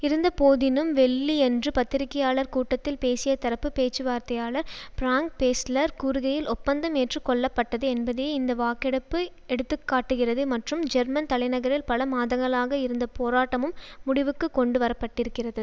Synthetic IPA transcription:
ɪɾɯnd̪ɐpoːðɪnɯmʋɛɭːiɛndrɯpɐt̪ːɪɾɪkːɐjaːɭɐɾkuːʈːɐt̪ːɪlpeːsɪjɐt̪ɐɾɐpːɯpeːt͡ʃːɯʋaːɾt̪ɐjaːɭɐɾpɪɾaːŋk̚peːslɐɾkuːɾʊɣɐjɪlʔɔpːɐnd̪ɐmeʈrɯkːɔɭːɐpːɐʈːɐðɯɛnbɐðeːɪnd̪ɐʋaːkːɪɽɐpːɯ | ɛɽɯt̪ːɯkːaːʈːɯɣɪrɐðɯmɐʈrɯmd͡ʒɛɾmɐnt̪ɐlɐɪnɐɣɐɾɪlpɐlɐmaːðɐŋɡɐɭaːɣɐɪɾɯnd̪ɐpoːɾaːʈːɐmɯmːʊɽɪʋɯkːɯkːɔɳɖɯʋɐɾɐpːɐʈːɪɾɯkːɪrɐðɯ

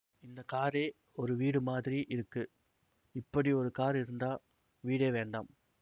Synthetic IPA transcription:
ɪnd̪ɐkaːɾeː | ɔɾɯʋiːɽɯmaːðɪɾiʔɪɾɯkːɯ | ɪpːɐɽiɔɾɯkaːɾɪɾɯnd̪aː | ʋiːɽeːʋeːɳɖaːm

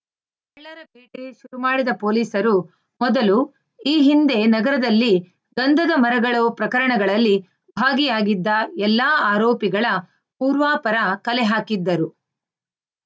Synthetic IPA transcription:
ɛɭːɐɾɐbeːʈeʃuɾumaːɽid̪ɐpoːliːsɐɾu | mɔd̪ɐlu | iːɦind̪e̞nɐɡɐɾɐd̪ɐlːi | ɡɐnd̪ʱɐd̪ɐmɐɾɐɡɐɭoːpɾɐkɐɾɐɳɐɡɐɭɐlːi | bʱaːɡijaːɡid̪ːɐɛlːaːaːɾoːpiɡɐɭɐ | puːɾʋaːpɐɾɐkɐlɛɦaːkid̪ːɐɾu

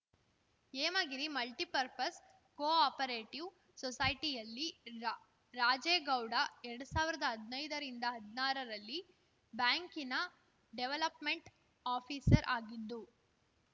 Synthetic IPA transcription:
eːmaːɡiɾimɐlʈipɐɾpɐs | koːaːpɐɾeːʈiʋ | sɔsɐjʈijɐlːi | ɾaːd͡ʒeːɡɐwɽɐɛɾɐɽusaːʋiɾɐd̪ɐɦɐd̪nɐjd̪ɐɾind̪ɐɦɐd̪naːɾɐɾɐlːi | baːŋkinɐ | ɖeʋelɐpmeɳʈ | aːpʰiːsɐɾʔaːɡid̪ːu

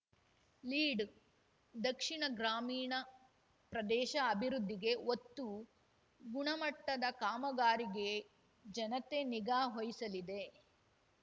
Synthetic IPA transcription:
liːɖ | d̪ɐkʂiɳɐɡɾaːmiːɳɐ | pɾɐd̪ɛːʃɐːbʱiɾud̪ʱːiɡe̞ot̪ːu | ɡuɳɐmɐʈːɐd̪ɐkaːmɐɡaːɾiɡe̞ | d͡ʒɐnɐt̪e̞niɡaːɦojisɐlid̪e̞

